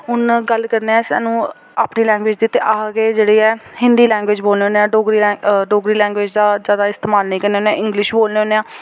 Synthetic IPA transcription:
ɦʊnɡəlkəɾneːɛ̃ːsa̰ːnũː | aːpniːlɛ̃ːŋɡʋeːd͡ʒd̪ɪt̪ːeːʔaːɡeːd͡ʒeːɽiːɛːhɪnd̪iːlɛ̃ːŋɡʋeːd͡ʒboːlneːoːneːãːɖoːɡɾiːɖoːɡɾiːlɛ̃ːŋɡweːd͡ʒd̪aːzaːd̪aːɪst̪eːmaːlnəĩːkəɾneːoːnːeãːɪŋɡlɪʃboːlneːɦoːnːeːãː

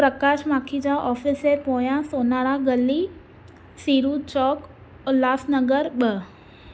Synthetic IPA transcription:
pɾəkaʃmãːkʰid͡ʑaʔɔːfisepoːjãsoːnaɾaɡəli | siːɾut͡ɕɔːk | laːsnəɡəɾɓə

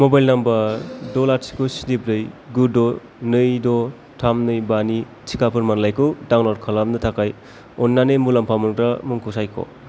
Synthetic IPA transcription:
mobajlnambɐɾdɔlaɾsʰi̥kʰusidip̚ɾɯjɡudɔ | nɯjdɔ | tʰamnɯjbani | t͡ʃʰi̥kapʰɯɾmanlajkʰɯdaŋlɔɾkʰalamnɯtʰakaj | ɔnːanɯjmulampʰamɯŋkɾamuŋkʰusajkʰɔ̰

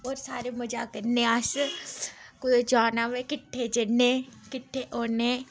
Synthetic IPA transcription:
oːɾsaːɾemɐd͡ʒakəɾneas | kʊjd͡ʒaːnaʋekɪʈʰːed͡ʒɐnːẽkɪʈʰːeʔoːne

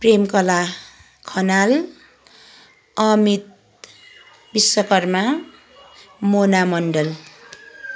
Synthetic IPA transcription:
premkʌla | kʰʌnal | ʌmit̪̚ | bisːʌkʌrma | monamʌɳɖʌl

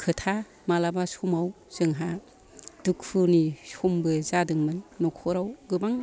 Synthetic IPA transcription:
kʰɯtʰa | malabasumaw | z̥ɯŋɦa | d̥uk̚pʰɯnisumbɯzadɯŋmɯnːɔkʰɔɾawɡɯbaŋ

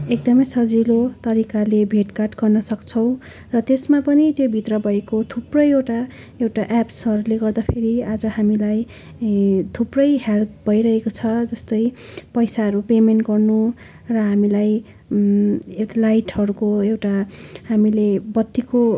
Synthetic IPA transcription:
ek̚d̪ʌmʌjsʌd͡zilot̪ʌɾikalebʱeʈkarʈɡʌrnʌsʌkt͡sʰʌw̃ | rʌt̪esmapʌnit̪jobʱit̪rʌbʱʌekot̪ʰuprʌjewʈa | ewʈaʔapsʌɾuleɡʌrd̪apʰeɾiad͡zʌhamilaj | t̪ʰuprʌjɦelpbʱʌjɾʌɦekot͡sʰʌd͡zʌst̪ʌjpʌjsaɦʌɾupemenʈɡʌrnu | rʌɦamilaj | elajʈɦʌɾukoewʈahamilebʌt̪ːiko

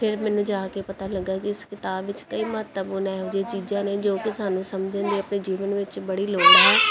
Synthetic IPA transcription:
pʰɪɾmɛːnũːd͡ʒaːkeːpət̪aːləɡːaːkɪɪskɪt̪aːbʋɪt͡ʃkəiːmət̪əbɦoːnaːɦɛʊd͡ʒeːt͡ʃiːd͡ʒãːneːd͡ʒoːkɪsaːnũːsəmd͡ʒə̃nd̪eːəpneːd͡ʒiːʋənʋɪt͡ʃbəɽiːloːnaːɦɛː

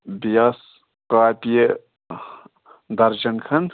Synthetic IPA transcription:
bijas | qaːpije | d̪ɐɾd͡ʒɐnkʰɐn

